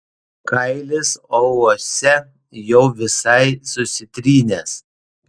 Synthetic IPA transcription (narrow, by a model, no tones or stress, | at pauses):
kɐɪlʲɪsɔɔːsʲɛ | jɛʊʋʲɪsɐɪsʊsʲɪt̪ʲɾʲiːnʲeːs